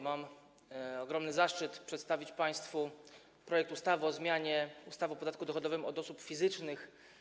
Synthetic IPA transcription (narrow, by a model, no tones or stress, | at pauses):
mam | ɔɡɾɔmnɘzaʂt͡ʂɘt̪pʂɛt̪st̪avʲit͡ɕpaj̃st̪fu | pɾɔjɛk̚t̪ust̪avɘɔzmʲjaɲɛust̪avɔpɔd̪at̪̚kud̪ɔxɔd̪ɔvɘmɔd̪ɔsupfʲizɘt͡ʂnɘx